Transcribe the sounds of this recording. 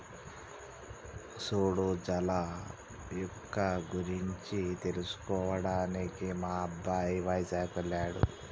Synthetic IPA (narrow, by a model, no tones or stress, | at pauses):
soːɽod͡ʒɐlaː | jɔkːɐɡuɾiɲt͡ʃit̪e̞lusu̥kɔːʋɐɽaːnikimaːɐbːaːjʋɐjd͡ʒaːɡʋelːaːɽṵ